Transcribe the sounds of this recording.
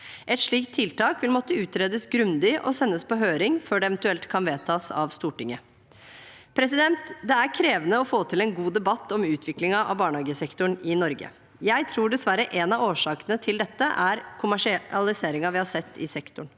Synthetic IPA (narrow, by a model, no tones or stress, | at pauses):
ʔɛt̪ʂɭiːkt̪ʰːɪlt̪ɑːkʋɪlmɔt̪ːəʉːt̪ɾeːd̪əsɡɾʉnd̪ɪʔɔ̰sɛnːəspʰɔɦøːɾɪŋfœɖɛɛʋɛnt̪ʉɛlt̪kʰɑnʋeːt̪ʰɑːsɑ̰ʋst̪uːʈɪŋːə | pʰɾɛsɪd̪ɛnt̪d̪ɛæɾkʰɾeːʋənəɔfoːt̪ʰɪlɛnɡuːd̪ɛbɑt̪ːɔmʉːt̪ʰʋɪklɪŋɑʔɑ̰ʋbɑːɳəɑːɡəsɛkt̪ʊɳɪnɔɾɡə̰ | jæɪt̪ʰɾuːɖɛsʋæɾəʔɛnɑʋoːʂɑːkənət̪ʰɪld̪ɛt̪ːəʔæɾkʰʊmæʂɪɑlɪseːɾɪŋɑʋɪhɑsɛt̪ːɪ̰sɛkt̪ʊɳ